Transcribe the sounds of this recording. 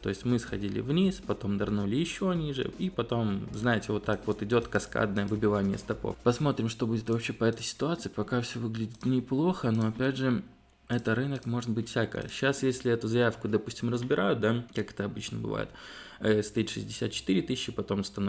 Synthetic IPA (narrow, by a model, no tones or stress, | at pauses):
t̪o̞̰ɪsʲtʲmɨsxɐdʲilʲɪ̰vnʲispɐt̪o̞md̪ɐrnulʲɪjɪɕːo̞nʲiʐɨ̰ipɐt̪o̞mznajɪtʲɪvo̞t̪ːakvo̞t̪ɪdʲo̞t̪kɐska̰d̪nəjəvɨbʲɪvanʲɪjə̰st̪ɐpo̞̰fpɐsmo̞t̪ɾʲɪmʂt̪o̞budʲɪt̪vɐpɕe̞pɐɛt̪əjsʲɪ̥t̪ʊat̪sɨɪpɐkafsʲɵvɨɡlʲɪdʲɪt̪nʲɪplˠo̞xənoɐpʲædʲʐɨ | ɛt̪əɾɨnəkmo̞ʐɨt̪̚bɨtʲfsʲakə̰jəɕːasjesʲlʲɪɛt̪ʊzɐjafkʊd̪ɐpusʲtʲɪmrəzbʲɪɾʔajʊt̪̚d̪akakɛ̥t̪əɐbɨt͡ɕnəbɨ̰va̰jɪ̰t̪ | əst̪ɐit̪ʂɨzʲdʲɪsʲa̰t̪̚t͡ɕɪ̥t̪ɨɾʲɪt̪ɨsʲɕːɪpɐt̪o̞mst̪ɐno